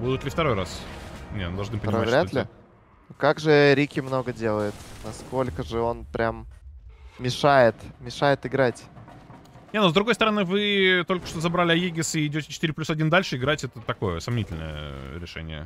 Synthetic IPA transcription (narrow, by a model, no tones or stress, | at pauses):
bud̪ʊt̪lʲɪft̪ɐɾo̞jrasnʲenud̪ɐʐnɨpəmaɾʲaolʲɪ | kaɡʐɨɾʲikʲɪmno̞ɡədʲelˠəjɪt̪nɐsko̞lʲkəʐɨo̞npɾʲam | mʲɪʂajɪt̪mʲɪʂajɪt̪ɪɡɾatʲ | nʲenozd̪ɾʊɡo̞jst̪əɾɐnɨvɨt̪o̞lʲkə̥ʂt̪ozɐbɾalʲɪɐjeɡʲɪsɪːdʲotʲɪ̥t͡ɕɪ̥t̪iɾʲɪplʲusɐdʲind̪alʲʂɨɪɡɾatʲɛt̪ət̪ɐko̞jəsɐmnʲitʲɪlʲnə̰jə̰ɾʲɪʂɛ̰nʲɪ̰jə̰